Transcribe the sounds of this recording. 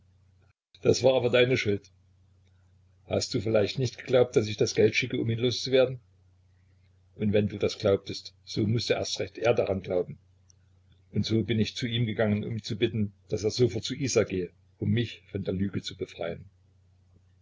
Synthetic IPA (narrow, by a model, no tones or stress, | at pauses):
d̥asv̥aːʔaːbɐdaɪnəʃʊlt | ha̰std̥uːfɪlaɪçtnɪçtɡ̥ə̥ɡ̥laʊp̚td̥as̬ɪçd̥asɡ̥ɛltʃɪkəʊmiːnloːst͡suveːɐdn̩ | ʔʊntvɛnduːdasɡ̥laʊp̚təst | z̥oːmʊsd̥əʔḛɐstʁɛçtʔeːɐdaʁanɡlaʊbm̩ | ʔʊntz̥oːbɪnɪçt͡suːiːmɡəɡaŋənʊ̰mt͡subɪtn̩d̥aseːɐzoːfɔɐtt͡suʔiːzaːɡ̥eːə | ʔʊmːɪçfɔndeːɐlyːɡət͡subəfʁ̥a̰ɪən